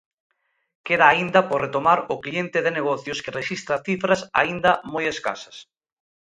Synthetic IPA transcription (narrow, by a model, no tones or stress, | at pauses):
keðaːind̪ɐporet̪omaɾʊklient̪ɪðeneɣɔθjʊskɪreʃist̪ɾɐθifɾɐsa̰ind̪ɐmojeska̰sɐ̥s